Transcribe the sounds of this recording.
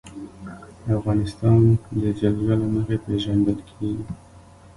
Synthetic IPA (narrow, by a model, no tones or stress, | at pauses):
afɣɑnɪst̪ɑnd̪əd͡ʒaɡlalaməxepeʒand̪əlkʰeɡi